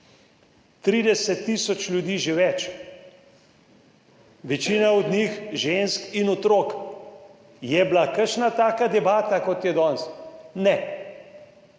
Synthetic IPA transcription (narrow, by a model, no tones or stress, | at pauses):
t̪ɾiːd̪ɛsɛt̪ːisɔt͡ʃlʲjud̪iːʒeʋɛt͡ʃ | ʋɛt͡ʃiːnaɔd̪nixʒenskinɔt̪ɾok | jɛblakəɾʃnat̪aːkad̪ɛbaːt̪akɔt̪jɛd̪ɔnsnɛ